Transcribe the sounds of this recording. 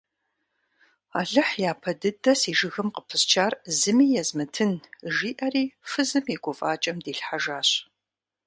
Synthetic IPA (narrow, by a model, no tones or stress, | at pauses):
a̰ːɮɨħjaːpʰɐdɨdɐsiːʒɨɣɨmqəpʰɨst͡ʃʰaːrzɨmiːjɛzmɨtʰɨnʒiːʔɐriːfɨzɨmiɡʷʊfʼaːt͡ʃʼɐmdiːɬħaʒaːɕ